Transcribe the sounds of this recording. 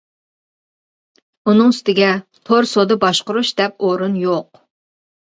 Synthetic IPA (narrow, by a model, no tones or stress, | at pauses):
unɨŋst̪ɪɡʲɛt̪ʰoɾsod̪ɨbɑʃqʊɾuʃd̪ɛp̚oɾunjoq